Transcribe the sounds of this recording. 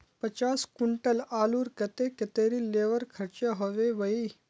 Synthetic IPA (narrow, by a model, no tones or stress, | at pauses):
pɐt͡ʃaːskuɳʈəlaːluːɾkɐt̪eket̪eːɾileːʋəɾkʰɐɾt͡ʃaɦoʋeʋɐi